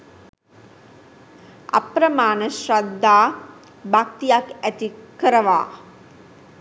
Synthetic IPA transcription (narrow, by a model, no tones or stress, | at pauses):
a̰pɾəmaːnəʃɾad̪ʱːaː | bak̚t̪ijakæt̪ikəɾəʋa̰ː